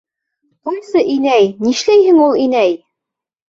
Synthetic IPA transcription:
qojsɤʔinæjniʃlæjhɘŋulˠinæj

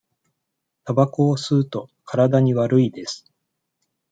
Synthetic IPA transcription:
t̪abakoːsɨɯt̪o̞kʰaɾad̪aɲ̟iβaɾɯ̟id̪e̞sɨ̥

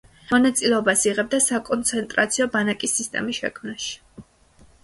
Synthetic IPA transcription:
mɔnat̪sʼilɛɔbasiʁɛb̚d̪asakʼɔnt̪sʰɛnt̪ʼɾat̪sʰiɔbanakʼisːist̪ʼɛ̰misʃɛ̰kʰmnaʃi̥

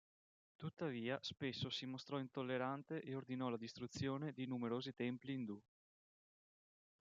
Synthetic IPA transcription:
t̪ut̪ːaviːaspesːosimost̪ɾɔint̪olːeɾant̪eʔeord̪inɔlad̪ist̪ɾut̪sːjoːned̪inumeɾoːzit̪ɛmpliːnd̪u

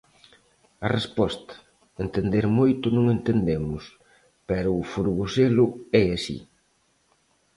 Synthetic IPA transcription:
ɐrespɔst̪ɐ̥ | ent̪end̪eɾmojt̪ʊnõŋent̪end̪emʊs | pɛɾʊːfuɾɣuselʊɛasḭ

